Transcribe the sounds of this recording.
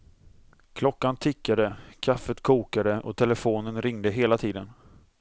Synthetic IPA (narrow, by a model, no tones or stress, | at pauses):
kʰlɔkːant̪ʰɪkːad̪əkʰafːət̪kʰuːkad̪əʔɔt̪ʰɛləfoːnənɾɪŋd̪əɦeːlat̪ʰiːd̪ən